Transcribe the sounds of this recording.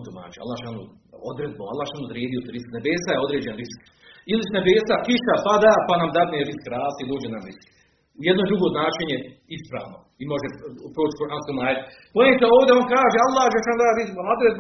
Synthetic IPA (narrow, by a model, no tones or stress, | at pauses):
t̪uma̰ːt͡ʃia̰lˠːaːʃanṵ | od̪ɾed̪̚boa̰lˠːaːhʃaːnud̪ɾjeːd̪ijot̪eɾisknebeːsajeo̞d̪ɾeːd͡ʑenɾisk | ilisnebeːsakiʃapad̪apanamd̪ad̪neɾiskɾaːst̪id̪oːd͡ʒenamɾisk | ujed̪noed̪uɡod̪naːʃeɲeispɾa̰ːʋno | imo̞ʒepɾoːt͡ʃkuɾʔanskumaːjt̪ | poemt̪eoːʋd̪eonkaːʒealˠːaːhd͡ʒeʃaːnd̪aɾiziamod̪ɾed̪̚b